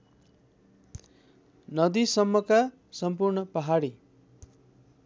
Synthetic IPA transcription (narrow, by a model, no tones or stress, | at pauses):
nʌd̪isʌmːʌka | sʌmpurnʌpʌɦaɽi